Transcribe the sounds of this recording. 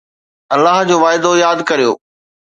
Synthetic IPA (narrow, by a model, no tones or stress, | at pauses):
ɐlːaɦd͡ʑoːʋaːɪd̪ojaːd̪kɐɾijo̰ː